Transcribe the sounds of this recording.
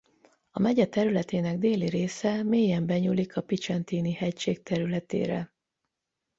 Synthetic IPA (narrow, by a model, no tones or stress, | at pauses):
ɒmɛɟɛt̪ɛɾylɛt̪eːnɛɡd̪eːliɾeːsɛmeːjɛmbɛɲulikʰɒpit͡ʃɛnt̪iːnihɛcʃeːk̚t̪ɛɾylɛt̪ḛːɾɛ̰